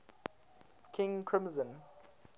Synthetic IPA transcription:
kʰɪ̃ŋkʰɹ̥ɪ̃mzə̃n

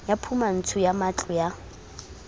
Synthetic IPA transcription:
japʰuman̩t͡sʰʊjamat͡ɬʼɔja

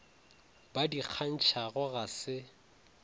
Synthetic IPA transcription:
badiq͡χʰan̩t͡ʃʰaɣʊɣasɪ

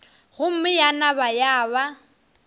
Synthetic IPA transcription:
ɣʊm̩mɪjanabajaːβa

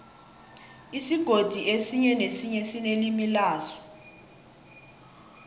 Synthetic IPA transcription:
isiɡ̥ʱod̥ʱiʔesiɲɛnesiɲɛsinelimilaːsɔ̥

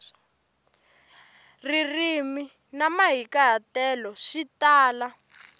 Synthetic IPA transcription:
ririmi | namaɦikaɦatɛːlɔʃitaːla

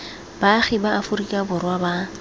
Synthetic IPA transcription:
b̥aχɪbaafʊɾikʼabʊrwaba

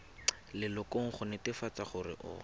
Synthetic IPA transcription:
lɪlʊkoŋ̩χʊnɪtɪfat͡saχʊrɪ̰ʔʊ̰

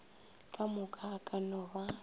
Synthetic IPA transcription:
kʼamʊkʼakʼanʊːβa

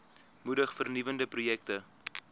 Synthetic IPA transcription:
mudəχfərnivəndəprujɛktə

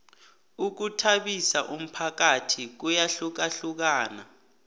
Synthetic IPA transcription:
uk̬utʰaɓisaʔum̩pʰak̬atʰik̬ujaɬuk̬aɬuk̬aːna̰

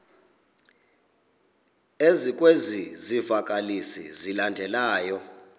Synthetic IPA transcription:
ezikʼwezizivakʼalisḭzilandʱɛlaːjɔ

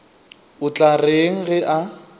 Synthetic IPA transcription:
ʊt͡ɬʼareŋ̩ɣɛʔa

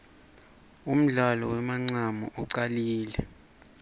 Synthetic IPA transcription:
um̩ɮalɔ̰wɛmaŋ͡ǀamɔʔuǀaliːlɛ

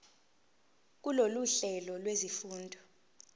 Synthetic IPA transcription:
k̬uloluɬɛlɔlwezifuːndʱɔ

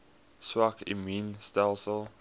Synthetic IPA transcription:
swakɪ̰miːnstɛlˠsəlˠ

